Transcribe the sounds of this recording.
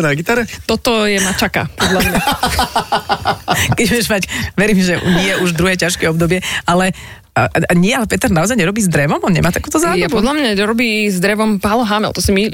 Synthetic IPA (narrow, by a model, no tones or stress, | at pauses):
nlɛɡit̪aɾɛt̪ɔt̪ɔjɛmat͡ʃaka̰pɔd̪lamɲa | kɛɟbʊɛʒmacʋɛɾiːmʒɛɲɪɛʔuʒd̪ɾuɦɛːcaʃkɛɔbd̪ɔbɪɛalɛ | aɲɛalɛpɛt̪ɛɾnaɔzajɲɛɾɔbiːzd̪ɾɛʋɔmɔnɲɛ̰maːt̪akuːt̪ɔzaːjapɔd̪ʎamɲaɔɾɔbiːzd̪ɾɛʋɔmpaːlɔɦamɛ̰lt̪ɔsimi